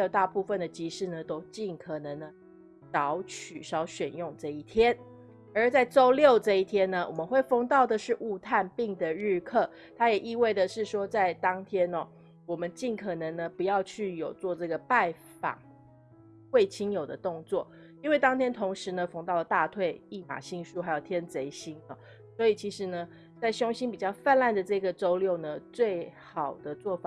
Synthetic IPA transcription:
a˧˥jo˨˩t̪a˥˧pu˥˧fə˥˨nd̪ə˩t͡ɕi˧˥ʂɻ̩˥˩nə˩t̪o˥ʊt͡ɕi˥˩nkʰɤ˨˩nɤ˧˦ŋnə˧ | t͡sɑ˧˥˦ʊt͡ɕʰy˨˩ʂɑ˧˥ʊɕɥɛ˨˩njʊ˥˧ŋʈ͡ʂɤ˥˧i˥˩t̪ʰjɛ˦˥n | ə˞˨˧˥t͡sa˥˩ɪʈ͡ʂo˥ʊljo˥˧ʊʈ͡ʂɤ˥˧i˥˩t̪ʰjɛ˥nːə˨wʔɔ˨˩mə˦nxwe˥˩ɪfɤ˥ŋt̪ɑ˥˩ʊd̪ə˩ʂɻ̩˥˧ʔu˥˧t̪ʰa˥˧npi˥˩ŋd̪ə˨ɻ̩˥˧kʰɤ˥˩ | t̪ʰa˥jɛ˨˩ʔi˥˧we˥˩ɪd̪ə˩ʂɻ̩˥˩ʂwɔ˥t͡sa˥˩ɪt̪ɑ˥ŋt̪ʰjɛ˥nɔ˨˩ | wɔ˨˩mə˨˦nt͡ɕi˥˩nkʰɤ˨˩nɤ˧˥ŋnə˧˦pu˧˦jɑ˥˧ʊt͡ɕʰy˥˩jo˨˩ʊt͡swɔ˥˧ʈ͡ʂɤ˥˩ɡə˩pa˥˩ɪ | fɑ̰˨˩ŋ | kwe˥˩ɪt͡ɕʰi˥njo˨˩ʊd̪ə˦t̪ʊ˥˧ŋt͡swɔ˥˩ | i˥nwe˥˩ɪt̪ɑ˥ŋt̪ʰjɛ˥nt̪ʰʊ˧˥ŋʂɻ̩˧˦nə˧fɤ˥ŋt̪ɑ˥˩ʊlə˩t̪a˥˧t̪ʰwe˥˧ɪi˥˩ma̰˨˩ɕi˥˧ŋʂu˥˩xa˧˥ɪjo˨˩ʊt̪ʰjɛ˥nt͡se˧˥ɪɕi˥nɔ̰˧ | swɔ˧˥i˨˩t͡ɕʰi˧˥ʂɻ̩˧˥nə˧ | t͡sa˥˩ɪɕjʊ˥ŋɕi˥npi˨˩t͡ɕjɑ˥˧ʊfa˥˧na˥˩nd̪ə˩ʈ͡ʂɤ˥˩˥ɡə˩ʈ͡ʂo˥ʊljo˥˩ʊnə˩t͡swe˥˩ɪxɑ˨˩ʊd̪̥ə˦t͡swɔ˥˩fa˨˩

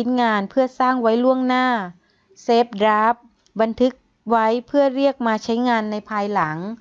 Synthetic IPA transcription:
i˦˥nŋaː˧npʰɯ˥˩ɐsaː˥˩ŋwa˦˥jlu˥˩əŋnaː˥˩ | seː˦˥p̚dɾaː˦˥p̚ | ba˧nt̪ʰɯ˧˦˥k̚ | wa˦˥jpʰɯ˥˩ɐɾi˥˩ək̚maː˧t͡ɕʰa˦˥jŋaː˧nːa˧jpʰaː˧jla˩˦ŋ

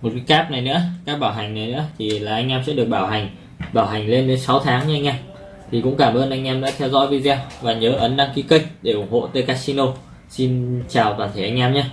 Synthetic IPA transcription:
mo˨˩t̚kaː˨˦jkaː˦˥p̚na˨˩jnɨ̰˧˥əkaː˦˥k̚ɓaː˧˩wɦa˨˩ŋ̟na˨˩jnɨ̰˧˥ət̪ʰi˨˩laː˨˩ʔa˧jŋ̟ʔaː˧msɛ̰˧˥ɗɨ˨˩ək̚ɓaː˧˩wha˨˩ŋ̟ | ɓaː˧˩wɦa˨˩ŋ̟le˧nt̪e˨˦nsa˨˦wt̪ʰaː˨˦ŋɲa˧ŋ̟ʔaː˧m | t̪ʰi˨˩kʊ̰˧˥ŋ͡mkaː˧˩mʔəː˧nʔa˧jŋ̟ʔaː˧mɗa̰ː˧˥t̪ʰɛ˧wzɔ̰˧˥jvi˧zɛ˧wvaː˨˩ɲəː˨˦ʔə˨˦nɗa˧ŋki˧˦kə˧jk̟̚ɗe˧˩ʔʊ˧˩ŋ͡mho̰˧˨t̪əː˨˦jkaː˦˥k̚si˧no˧w | si˧nt͡ɕaː˨˩wt̪waː˨˩nt̪ʰe˧˩ʔa˧ŋ̟ʔaː˧mɲaː˧

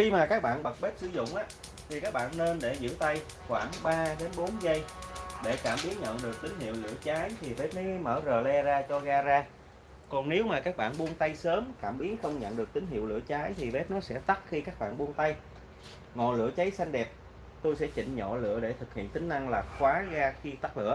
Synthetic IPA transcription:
xi˧maː˨˩kaː˦˥k̚ɓa̰ː˧˨nɓə˨˩t̚ɓe˦˥t̚sɨ˧˦zʊ̰˧˨ŋ͡mʔaː˨˦ | t̪ʰi˨˩kaː˦˥k̚ɓa̰ː˧˨nːe˧nɗe˧˩zɨ̰˧˥t̪a˧j | xwaː˧˩ŋɓaː˧ɗe˨˦nɓo˨˦nzə˧jɗe˧˩kaː˧˩mɓi˨˦ənɲə̰˧˨nɗɨ˨˩ək̚t̪ï˨˦ŋ̟ɦḭ˧˨əwlɨ̰˧˩˥ət͡ɕaː˨˦jt̪ʰi˨˩ve˦˥t̚ne˨˦məː˧˩zəː˨˩lɛ˧zaː˧t͡ɕɔ˧ɣaː˧zaː˧ | kɔ˨˩ŋne˨˦wmaː˨˩kaː˦˥k̚ɓa̰ː˧˨nɓu˧ənt̪a˧jsəː˨˦mkaː˧˩mɓi˨˦ənxə˧wŋ͡mɲə̰˧˨nɗɨ˨˩ək̚t̪ï˨˦ŋ̟ɦḭ˧˨wlɨ̰˧˨ət͡ɕaː˨˦jt̪ʰi˨˩ve˦˥t̚nɔ˨˦sɛ̰˧˥t̪a˦˥k̚xi˧kaː˦˥k̚ɓa̰ː˧˨nɓu˧ənt̪a˧j | ŋɔ˨˩lɨ̰˧˥ət͡ɕə˨˦jsa˧jŋ̟ɗɛ˨˩p̚ | t̪o˧jsɛ̰˧˥t͡ɕḭ˧˨ŋ̟ɲɔ̰˧˨lɨ̰˧˥əɗe˧˩t̪ʰɨ˨˩k̚hḭ˧˨ənt̪ï˨˦ŋ̟na˧ŋlaː˨˩xwaː˨˦ɣaː˧xi˧t̪a˦˥k̚lɨ̰˧˨ə

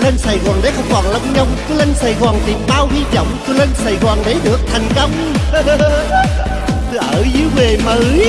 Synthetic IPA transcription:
le˧nsaː˨˩jɣɔː˨˩nɗe˨˦xə˧wŋ͡mkɔ˨˩nlə˧wŋ͡mɲə˧wŋ͡mt̪u˧˦lə˧nsaː˨˧˩jɣɔː˨˩nt̪i˨˩mɓaː˧whi˧zə̰˧˨wŋ͡mt̪u˧˦lə˧nsaː˨˩jɣɔː˨˩nɗe˨˦ɗɨ˨˩ək̚t̪ʰɛ˨˩jŋ̟kə˧wŋ͡m | ʔəː˧˩zɨ˨˦wve˨˩mə˨˦

